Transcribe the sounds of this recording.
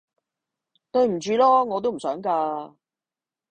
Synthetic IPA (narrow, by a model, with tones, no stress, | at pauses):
t̪ɵ˧ɥm̩˨˩t͡ʃyː˧lɔː˥ŋɔː˨˧t̪̬o˥wm̩˨˩sœː˨˥ŋkaː˧